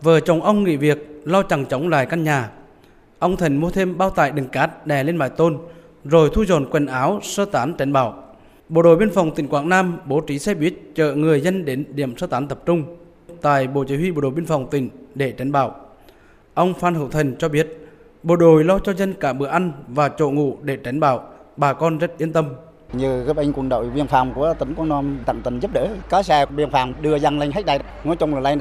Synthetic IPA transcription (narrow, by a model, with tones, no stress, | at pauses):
vəː˨˩t͡ɕə˨˩wŋ͡mʔə˧wŋ͡mŋḭ˧˨vi˨˩ək̚lɔ˧t͡ɕa˨˩ŋt͡ɕə˨˦wŋ͡mla̰ː˧˨jka˧nɲaː˨˩ | ʔə˧wŋ͡mt̪ʰə˨˩ŋmu˧ət̪ʰe˧mɓaː˧wt̪a̰ː˧˨jɗɨ˨˩ŋkaː˨˦˥t̚ɗɛ˨˩le˧nɓa̰ː˧˨jt̪o˧n | zo˨˩jt̪ʰu˧zɔ˨˩nkwe˨˩nʔaː˨˦wsəː˧t̪aː˨˦nt͡ɕɛ˨˦jŋɓaː˧˩˨w | ɓo̰˧˨ɗo˧˨jɓi˧ənfɔ˨˩wŋ͡mt̪ï˧˩ŋ̟kwaː˧˩ŋnaː˧mɓo˨˦t͡ɕi˨˦sɛ˧ɓi˦˥ət̚t͡ɕə̰ː˧˨ŋɨ˨˩əjzə˧nɗe˨˦nɗḭ˧˨əmsəː˧t̪aː˨˦nt̪ə˨˩p̚t͡ɕʊ˧ŋ͡m | t̪a̰ː˧˨jɓo̰˧˨t͡ɕi˨˦hwi˧ɓo̰˧˨ɗo˨˩ɓi˧ənfa˨˩wŋ͡mt̪ï˧˩ŋ̟ɗe˧˩t͡ɕa˨˦ŋ̟ɓaː˧˩w | ʔə˧wŋ͡mfaː˧nhɨ̰˧˩˨wt̪ʰə˨˩ŋ̟t͡ɕɔ˧ɓi˦˥ət̚ | ɓo̰˧˩ɗo˨˩jlɔ˧t͡ɕɔ˧zə˧nkaː˧˩ɓɨ̰˧˨əʔa˧jŋ̟vaː˨˩t͡ɕo̰˧˨ŋṵ˧˨ɗe˧˩t͡ɕa˨˦jn̟ɓaː˧˩wɓaː˨˩kɔ˧nzə˦˥t̚ʔi˧ənt̪ə˧m | ɲɨ˨˩˦ʔa˧jŋ̟kwə˧˩nɗo̰˧˨jvi˧ənfaː˧˩wŋ͡mku˧˩ət̪i˨˦ŋkwaː˧nɔ˧mt̪a̰˧˨ŋt̪i˧˩ŋzə˦˥p̚ɗə̰ː˧˥ka˨˦sɛ˧vi˧ənfaː˧˨˩wŋ͡mɗɨ˧əza˧ŋla˧jŋ̟ɦa˦˥k̚ɗaː˨˧˩ŋɔ˧˨˦jt͡ɕʊ˧ŋ͡mlə˨˩la˧ŋ